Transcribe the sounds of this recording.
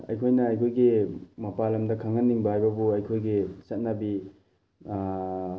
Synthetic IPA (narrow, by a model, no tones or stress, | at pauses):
ɐ̰jkʰojnɐɐjkʰojɡimɐpalɐmdɐkʰaŋɐnːiŋbɐhajbɐbuɐjkʰojɡisɐt̚nɐbi